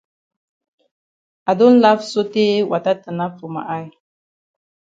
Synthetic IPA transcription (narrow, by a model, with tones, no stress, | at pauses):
a˨do˦n̩˦la˦fso˦te˦wʔa˨ta˦tə˨na˦fu˨ma̰˨ʔa˦j